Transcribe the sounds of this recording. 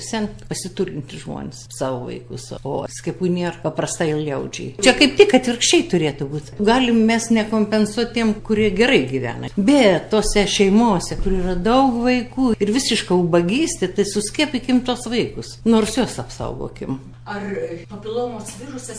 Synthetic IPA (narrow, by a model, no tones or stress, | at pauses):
sʲɛnpɐsʲɪt̪urʲɪnʲt̪ʲɪʒmo̰ːnʲɪssɑːʋoʋɐ̰ɪkʊ̰so̰ːsʲkʲɛpunʲeːrpɐprɐst̪ɐɪɪlˠlʲɛʊd͡ʒʲɛ̰ɪt͡ʃʲɛkɐɪp̚t̪ʲɪkɐt̪ʲʋʲɪrkʃʲt͡ʃʲɛɪt̪ʊɾʲeːt̪ʊbuːt̪ɡɑːlʲɪmmʲɛsnʲɛkoːmʲpʲɛnsuɔt̚ʲtʲiɛmkʊɾʲiɛɡʲɛɾɐɪɡʲiʋʲæ̰ːnɐ̰bʲɛtttːoːsʲɛʃʲɛɪmoːsʲɛkʊɾiːrɐd̪ɐʊkʋɐɪkuːɪrʋʲɪsʲɪʃkɐʊbɐɡʲiːsʲt̪ʲɪt̪ɐɪsʊsʲkʲiɛpʲɪkʲɪmt̪uɔsʋɐɪkʊsnoːrsjuɔsɐpsɐ̰ʊɡo̰ːkʲɪm | ɐrpɐpʲɪlˠoːmoːsʋʲirʊsɐ